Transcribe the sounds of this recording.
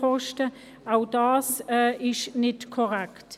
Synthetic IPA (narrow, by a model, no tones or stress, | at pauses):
ɔʃtə | aʊd̥ɑːsɛʔɪʃnɪtkʰɔʁɛkt